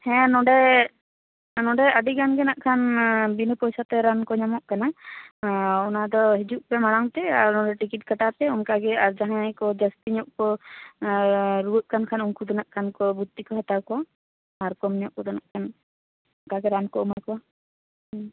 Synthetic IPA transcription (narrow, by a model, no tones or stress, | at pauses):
hɛ̃nɔɖɛ | nɔɖɛəɖiɡanɡɛnaʔkʰanbinəpɔjsat̪ɛɾankɔɲamɔʔkana | ɔnad̪ɔɦid͡ʒuʔpɛmaɽaŋt̪ɛaɾnɔɖɛʈikit̚kaʈat̪ɛunkaɡɛaɾd͡ʒaɦãjkɔd͡ʒəst̪iɲɔʔkɔ | ɾuwəʔ̚kankʰanuŋkud̪ɔnaʔkʰankɔbut̪ːikɔɦat̪awkɔwa | aɾkɔmɲɔʔ̚kɔd̪ɔnaʔkʰan | ɔnkaɡɛɾankɔɔmakɔwa